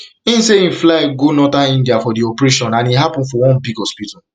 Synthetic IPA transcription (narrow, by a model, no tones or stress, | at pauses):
ĩn̩seĩflaeɡunɔtaĩndiafɔdiɔpɹeʃɔ̃nãniɦapɔ̃nfɔwɔ̃nbiɡhɔspita